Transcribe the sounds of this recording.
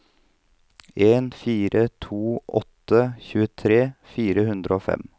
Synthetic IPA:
eːnfiːɾət̪ʰuːʔɔt̪ːəçʉːət̪ʰɾeːfiːɾəhʉnd̪ɾəoːfɛ̰m

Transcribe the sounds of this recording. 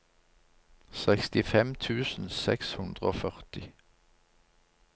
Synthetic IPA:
sɛkst̪ɪfɛmt̪ʰʉːsn̩sɛ̰kshʉnd̪ʁəoːfœʁt̪ɪ

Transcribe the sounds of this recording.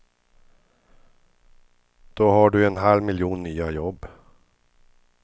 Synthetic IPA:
d̪̥oːhaɖɵɛnɦalmɪljuːnːyːajɔbː

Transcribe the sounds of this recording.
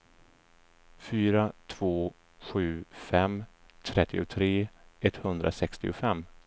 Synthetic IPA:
fyːɾat̪ʰv̥oː | ɧʉ̟ːfɛm | t̪ʰɾɛt̪ːɪʊt̪ʰɾeːɛt̪hɵnd̪ɾʔa̰sɛkst̪ɪ̰ʊfɛmː

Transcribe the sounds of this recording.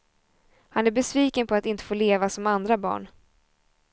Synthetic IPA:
hanæɾbɛsviːkənpʰɔat̪ɪnt̪ə̥foːleːvasɔmand̪ɾabɑ̰ːɳ

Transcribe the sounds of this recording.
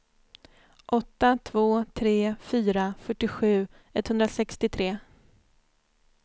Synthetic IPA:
ʔɔt̪ːat̪ʰvoːt̪ʰɾeːfyːɾafœʈːɪɧʉ̟ː | ɛt̪hɵnd̪ɾasɛkst̪ɪt̪ʰɾeː

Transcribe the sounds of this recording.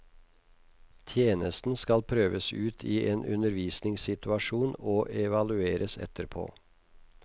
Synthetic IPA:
t̪ʰjeːnəst̪n̩skɑlpʰɾøːʋəsʉːt̪ʰiːʔeːnʔʉ̰nəɾʋiːsnɪŋsɪt̪ʉɑʃuːnoːʔɛʋɑlʉeːɾʔəsɛ̰t̪əɾpʰo̰ː

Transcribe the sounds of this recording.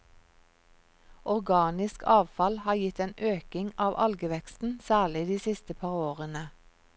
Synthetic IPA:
ʔɔʁɡɑːnɪskʰɑːʋfɑlhɑːjɪt̪eːnʔøːkɪŋɑːʋʔɑlɡəʋɛkst̪n̩sæːɭɪd̪iːsɪst̪əpʰɑːʁoːʁənə

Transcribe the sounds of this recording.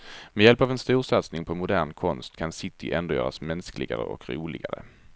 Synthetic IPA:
mɛjɛlpavɛnst̪uːʂat̪snɪŋpʰɔmʊd̪æːɳkʰɔnst̪kʰansɪt̪ʰɪʔɛnd̪ojœːɾasmɛnsklɪɡaɾə̰ʔɔ̰kɾuːlɪɡaɾə̰

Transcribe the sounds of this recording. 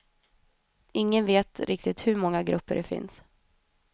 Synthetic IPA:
ɪŋːənveːt̪ɾʔɪk̚t̪ɪt̪hɵɾmɔŋːaɡɾɵpːə̰ɖɛfɪ̰ns

